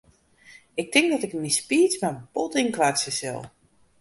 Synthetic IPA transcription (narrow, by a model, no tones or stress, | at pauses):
ɪk̚tɪŋk̚dɔtɪknispiːt͡smabotɪnkʋasəsɛ̰lˠ